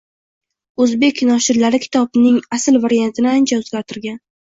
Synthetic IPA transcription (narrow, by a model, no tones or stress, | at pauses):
ɵzbe̞kʲnɒʃɪɾlaɾɪkʲʰɪ̥t̪ʰɒbnɪŋasɪlvaɾijant̪ʰɪnɪant͡ʃʰaɵzɡʲaɒt̪ʰɪɾɡʲan